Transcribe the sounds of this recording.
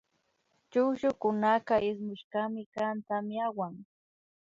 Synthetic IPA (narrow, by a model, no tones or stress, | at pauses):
t͡ʃʊkʃʊkʊnakaʔɪs̬mɪʃkamɪkant̪amɪawaŋ